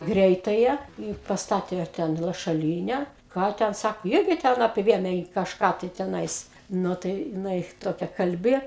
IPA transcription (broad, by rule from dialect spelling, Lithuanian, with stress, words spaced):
ˈɡrʲɛɪtɐjɛ iː pɐsˈtɑːtʲeː ˈtʲɛn lˠɐʃɐˈlʲiːnʲɛ ˈkɑː tʲɛn ˈsɑːkoː ˈɪrʲɡʲɪ tʲɛn ɐpʲˈʋʲeːmʲeː jɪ kɐʃˈkɑː tɐɪ tʲɛˈnɐɪs ˈnʊ tɐɪ jɪˈnɐɪ ˈtoːkʲɛ kɐlʲˈbʲɪ